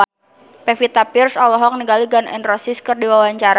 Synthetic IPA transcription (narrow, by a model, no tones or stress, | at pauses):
pefit̪apirsɔlɔɦɔk̚niɡaliɡanɛ̰nrɔsiskɨrdiwawaɲt͡ʃaɾa